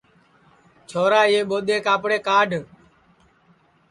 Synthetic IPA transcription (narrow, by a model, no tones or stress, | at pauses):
t͡ʃʰoːɾaːɪeːɓoːɗ̪eːkaːpɽeːkaːɖʱ